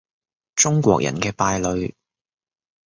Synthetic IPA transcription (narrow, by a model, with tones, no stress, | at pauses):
t͡sʊ˥ŋkʷɔ̰ː˧k̚jʔɐ̰˨˩nkɛː˧paː˧jlɵ˨˧ɥ